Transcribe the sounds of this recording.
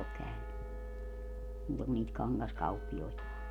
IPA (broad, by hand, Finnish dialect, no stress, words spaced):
ok kæyny muːtɑ kun niːt kɑnɡɑskɑupːioitɑ